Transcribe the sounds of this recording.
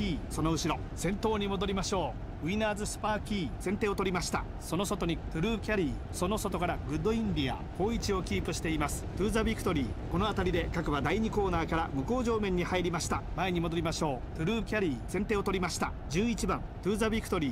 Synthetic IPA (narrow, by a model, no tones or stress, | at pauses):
iso̞no̞ɯ̟ɕiɾo̞ | sẽ̞nt̪o̞ːɲ̟imo̞d̪o̞ɾʲimaɕo̞ː | ɯ̟inaːzɨsɨ̥paːkʲiːsẽ̞nt̪e̞ːot̪o̞ɾʲimaɕi̥t̪a | so̞no̞so̞t̪oɲ̟it̪ɯ̟ɾɯ̟ːkʲaɾʲiː | so̞no̞so̞t̪o̞kaɾaɡɯ̟d̪ːo̞ĩɲd̪ʲia̰ko̞ːit͡ɕio̞kʲiːpɯ̟ɕi̥t̪e̞imasɨ̥t̪ɯ̟ːzabʲikːɯ̟̥t̪o̞ɾʲiːko̞noat̪aɾʲid̪e̞kakɯ̟βad̪aiɲ̟iko̞ːnaːkaɾamɯ̟ko̞ːʑo̞ːmẽ̞ɲ̟ːihaiɾʲimaɕi̥t̪amaeɲ̟imo̞d̪o̞ɾʲimaɕo̞ːt̪ɯ̟ɾɯ̟ːkʲaɾʲiːsẽ̞nt̪e̞ːot̪o̞ɾʲimaɕi̥t̪a | d͡ʑɨːit͡ɕibãnt̪ɯ̟ːzabʲikːɯ̥t̪o̞ɾʲiː